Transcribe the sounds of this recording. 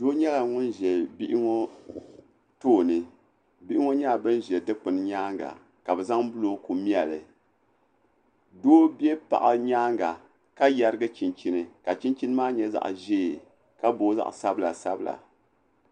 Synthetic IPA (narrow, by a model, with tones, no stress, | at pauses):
doː˦ɲɛ˦la˨ŋʊ˦nʒɛ˨lbi˦ʔɪ˦ŋo˦ | toː˦˨nɨ˨ | bi˦ʔɪ˦ŋo˦ɲa˦˨bɨ˦n˦ʒɛ˨dɨ˦k͡pɨ˨n˦ɲaː˦ŋɡa̰˨ | ka˨bɛ˨za˦ŋbʊ˦lo˦ku˨mi˦ɛ˨lɨ˨ | doː˦bɛ˦pa̰˨ʔa˨ɲaː˦ŋɡa˨ | ka˦ja˦ɾɨ˦ɡɨ˦t͡ʃi˨nt͡ʃi˦nɨ˨ka˨t͡ʃi˦nt͡ʃi˦nɨ˦maː˦ɲɛ˦za̰˨ʔʒeː˦˨ | ka˦boː˦za̰˦ʔsa˦bɨ˦la̰˨sa˦bɨ˦˨la̰˨